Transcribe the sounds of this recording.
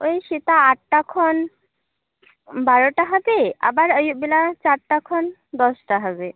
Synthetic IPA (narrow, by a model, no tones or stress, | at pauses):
ojɕit̪aːʈ̚ʈakʰɔn | baɾɔʈaɦabea̰baɾəjuʔbilat͡ɕaɾʈakʰɔn | d̪ɔsʈaɦəbe